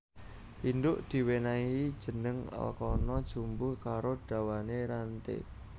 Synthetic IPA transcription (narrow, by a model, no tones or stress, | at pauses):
ʔind̪ʊʔd̪̥i̤wenai̥ʒ̥ə̤nəŋə̰lkɔnɔd̥ʒ̥umbʊhkaɾoɖ̥a̤waneɾant̪ḛ